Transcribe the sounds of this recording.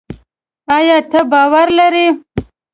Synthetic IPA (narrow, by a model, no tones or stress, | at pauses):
ajɑːt̪ʰəbɑːwaɾlaɾi